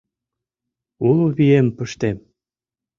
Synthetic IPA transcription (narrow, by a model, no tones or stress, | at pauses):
ulβiempə̆ʃt̪em